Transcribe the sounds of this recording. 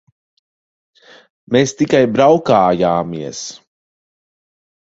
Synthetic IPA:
meːst̪ikajbɾawkaːjaːmiɛs

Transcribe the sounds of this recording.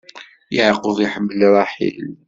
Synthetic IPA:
jəʕqoðˤiħəbːəlɾˤɑħḭl

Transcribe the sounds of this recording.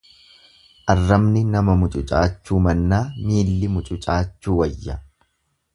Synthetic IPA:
ʔɐrːɐmnɪnɐmɐmʊt͡ʃʼʊt͡ʃʼa̰ːt͡ʃːuːmɐnːaːmiːlːɪmʊt͡ʃʼʊt͡ʃʼaːt͡ʃːuːwɐjːɐ

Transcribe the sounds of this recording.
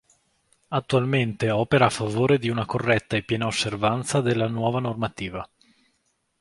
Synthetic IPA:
at̪ːualment̪eɔːpeɾaːfːavoːɾed̪iunakorːɛt̪ːaepːjɛːnaosːervant̪sad̪elːanwɔːvanormat̪iːva

